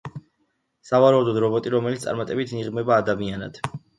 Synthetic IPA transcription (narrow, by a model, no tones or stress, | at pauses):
savaɾaud̪ɔd̪ɾɔbɔt̪ʼiɾɔmɛlit̪ssʼa̰ɾmat̪ʼɛbit̪ʰniʁmɛbaːd̪amiana̰d̪̥